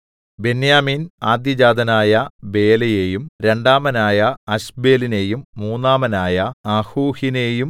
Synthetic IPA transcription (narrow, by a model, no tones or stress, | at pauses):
be̞njaːmiːnaːd̪jɐd͡ʑaːd̪ʱɐnaːjɐbe̞ːlɐjejumɾe̞ɳɖaːmɐnaːjɐɐɕbe̞ːline̞ːjumːuːnːaːmɐnaːjɐɐhuːhinejum